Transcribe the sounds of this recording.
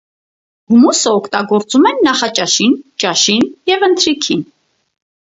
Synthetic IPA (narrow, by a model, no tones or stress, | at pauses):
ɡ̥umusəɔkʰt̪ɑɡɔɾt͡sumɛnːɑχɑt͡ʃʼɑʃint͡ʃɑʃinjɛvənt̪ʰɾikʰin